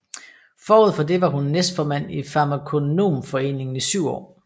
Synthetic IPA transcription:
fɒːoð̞̰ˠfɒ̽d̥e̝ʋɑ̈ɦunːesd̥fɒːmæn̰ifɑ̈mækʰo̝no̝̰ːmfɒ̽e̝̰ːne̝ŋn̩isyʊ̰ɒ̰ː

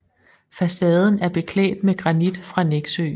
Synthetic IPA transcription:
fæsɛːð̞ˠn̩æɐb̥e̝kʰlɛ̰ːɪd̥meɡ̥ʁɑ̈nid̥fʁɑ̈neɡ̥søː

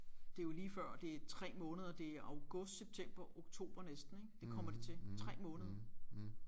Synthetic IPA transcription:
d̥e̝æjo̝liːfɶɐ̰d̥e̝æɐt͡sʰʁɛ̰ːmɔ̽ːnəð̞ˠɐd̥e̝æʔɑ̈ʊɡ̥ɔ̽sd̥seb̥̚t͡sʰem̰b̥ɐʔo̝ɡ̥̚t͡sʰo̝̰ːb̥ɐnesd̥n̩e̝ɡ̥d̥e̝kʰɒ̽m̰ɐd̥e̝t͡sʰe̝t͡sʰʁɛ̰ːmɔ̽ːnəð̞ˠɐ

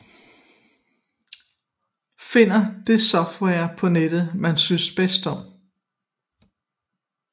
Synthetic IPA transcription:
fe̝n̰ɐd̥e̝sɒfd̥wɛɐpʰɒ̽ned̥ð̩ˠmænsynsb̥esd̥ɒ̽m̰

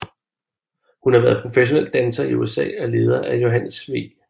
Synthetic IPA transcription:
hunhɑ̈ʋæɐðˠpʰʁo̝feɕo̝nel̰d̥ænsɐiuesɛ̰ːɒle̝ːð̞ˠɐʔæjo̝ɦænəsʋḭː

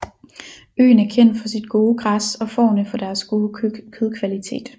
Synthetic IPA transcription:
ø̰ːnæɐkʰen̰d̥fɒ̽sid̥ɡ̥o̝ːəɡ̥ʁasɒ̽fɒ̰ːʊnəfɒ̽d̥æɐsɡ̥oːkʰeðˠkʰʋælit͡sʰe̝̰ːd̥

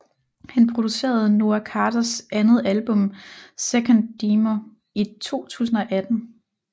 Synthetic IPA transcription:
hænpʰʁo̝d̥use̝̰ːɐð̞̩ˠno̝ækʰɑ̈ːdɐsʔænð̞̩ˠælb̥ɔ̽msekʰɒnd̥iːmo | it͡sʰo̝̰ːt͡sʰṵːs̬n̩ɒ̽ʔæd̥n̩

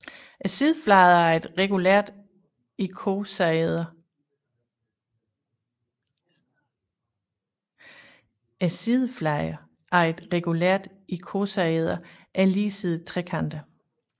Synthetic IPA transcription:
ʔæsiðˠəflɑ̈ɪɐæɐe̝d̥ʁɛɡ̥uleɐ̰d̥ | ikʰosðˠɐ | æsiðˠflɑ̈ɪɐ | æɐe̝d̥ʁɛɡ̥uleɐ̰d̥ | ikʰo̝sɑeð̞ˠɐ | ʔæliːsiðˠt͡sʰʁɛkʰɑnd̥ə

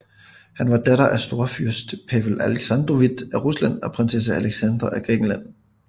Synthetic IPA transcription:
hænʋɑ̈d̥æɾɐʔæsd̥o̝ɐfyɐsd̥pʰæʋlæleɡ̥sɑnd̥ʁoʋid̥æʁuslæn̰ɒ̽pʰʁɑnses̬ææleɡ̥sænd̥ʁɐʔæɡ̥ʁɛ̰ɡ̥n̩læn̰

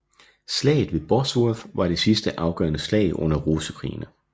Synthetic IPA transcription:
slɛ̰ːɪð̩ˠʋe̝b̥ɒsʋofʋɑ̈ɾ̥e̝sisd̥əʔɑ̈ʊɡ̥ɶ̰ɐnəslɛ̰ːɪʔɔ̽n̰ɐʁosəkʰʁḭːnə

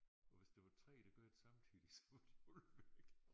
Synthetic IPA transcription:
ɒ̽ʋe̝sd̥e̝ʋɑ̈t͡sʰʁɛ̰ːd̥aɡ̥ɔɐjd̥esɑ̈mt͡sʰy̰ːd̥isɒ̥ʋd̥od̥ʋeɡ̥

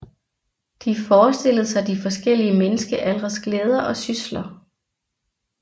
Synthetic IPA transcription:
d̥ifɒːsd̥e̝lð̩ˠsɑ̈ɪd̥ifɒ̽sɡ̥el̰iəmenəsɡ̥əʔælʁɐsɡ̥leːð̞ˠɐʔɒ̽syslɐ

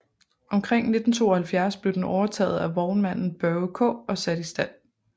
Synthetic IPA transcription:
ʔɒ̽mkʰʁeŋ̰ne̝d̥n̩t͡sʰo̝̰ːɒ̽hælfjæɐsb̥le̝ʊd̥en̩ɒʊɐt͡sʰɛ̰ːð̩ˠæʋɒʊnmæn̰n̩b̥ɶkʰɔ̰̽ːɒ̽sæɾ̥isd̥æn̰

